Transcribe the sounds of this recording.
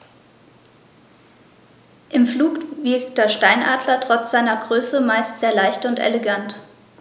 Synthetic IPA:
ʔɪmfluːkvɪɐkd̥eːɐʃtaɪnʔa̰ːdlɐtʁ̥ɔt͡sz̥aɪnɐɡʁøːsəmaɪstz̥eːɐlaɪçtʊntʔḛleɡant

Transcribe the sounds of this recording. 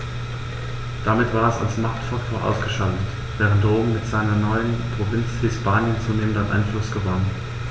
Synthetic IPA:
d̥amɪtv̥aːɐɛsa̰lsmaχktfaktʰoːɐʔa̰ʊsɡ̥əʃaltət | v̥ɛːʁ̞əntdʁoːm̩ːɪtz̥aɪnɐnɔʏənpʁ̥ovɪnt͡shɪspaːnjənt͡suːneːməntanʔa̰ɪnflʊsɡ̥əvan

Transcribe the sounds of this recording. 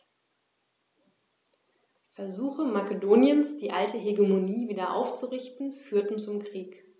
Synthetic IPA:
fɛɐzuːxəmakədoːnjənsd̥iːʔaltʰəɦeɡemoniːviːdɐʔa̰ʊft͡suʁɪçtn̩fyːɐtn̩t͡sʊmkʁ̥iːk

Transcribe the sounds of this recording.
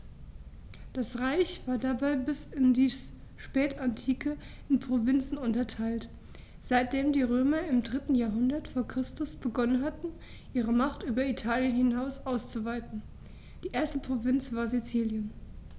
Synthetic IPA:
d̥asʁaɪçv̥aːɐdabaɪbɪsɪndiːʃpɛːtantʰiːkʰə | ɪnpʁ̥ovɪnt͡sn̩ʊntɐtʰaɪlt | z̥aɪt̚d̥eːmdiːʁøːmɐɪmdʁɪtn̩jaːɐɦʊndɐtfoːɐkʁ̥ɪstʊsb̥əɡɔnənɦatn̩ | ʔiːʁ̞əmaχtʔyːbɐitʰaːljənhɪnaʊsʔaʊst͡suvaɪtn̩ | d̥iːʔeːɐstəpʁ̥ovɪnt͡sv̥aːɐzit͡siːljən

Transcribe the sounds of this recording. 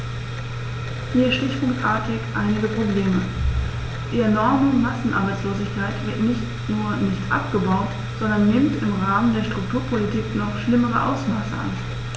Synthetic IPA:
viːʃtɪçpʊŋktʔaːɐtɪçʔaɪnɪɡəpʁ̥obleːmə | d̥iɛɐnɔɐmʊŋmasn̩ʔaɐbaɪt͡sloːzɪçkʰaɪtv̥ɪɐtnɪçt | nuːɐnɪçtʔa̰pɡ̥əbaʊt | z̥ɔndɐnːɪmtɪmʁaːməndeːɐʃtʁ̥ʊk̚tʰuːɐpʰolitʰiːknɔχʃlɪməʁə̰ʔa̰ʊsmaːsə̰ʔa̰n

